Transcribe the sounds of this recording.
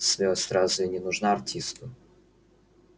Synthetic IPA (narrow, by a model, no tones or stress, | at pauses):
sʲmʲosʲɾazʊɪnʲɪnʊʐnaɐrtʲʰist̪ʊ